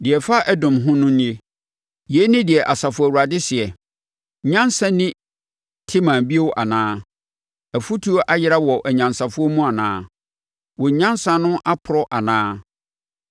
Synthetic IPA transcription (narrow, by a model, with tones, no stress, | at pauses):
dɪ˨ɛ˨fa˦ʔɛ˦dʊ̃˨mɦʊ̃˦nʊ̃˦ñ˦e˦ | je˨˦nɪ̃˦dɪ˨ɛ˨ʔa˨sa˨fʊ˦æ˨wu˨ɾa˨dɪ˦sɪ˨ɛ˨˦ | ɲã˦nsã˦nɪ̃˦ | tʰɪ˦mã˨bi˦e˦wʔa˨nãː˦ | æ˨fu˦tʰu˦o˦ʔa˦jɪ˦ɾa˦wɔ˨ʔæ˨ɲã˨nsa˨fʊ˦ɔ˦mũ˦a˨nã̰ː˦ | wɔ˨ɲ˦ɲã˦nsã˨nʊ̃˦ʔa˦pʰʊ˨ɾɔ˦ʔa˨nãː˦